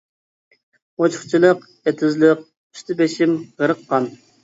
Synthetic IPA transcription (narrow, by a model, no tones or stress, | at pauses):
ot͡ʃʰʊ̥χt͡ʃʰilˠəq | et̪ʰɪzlˠəq̚ | y̥ʃt̪ʰɪbeʃɪmʁəɾəqʰːɑn